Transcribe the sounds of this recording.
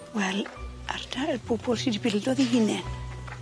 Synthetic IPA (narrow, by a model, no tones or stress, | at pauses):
wɛlʔar̥tʰabʰʊbʰɔlsidibɪldɔðihɪnɛn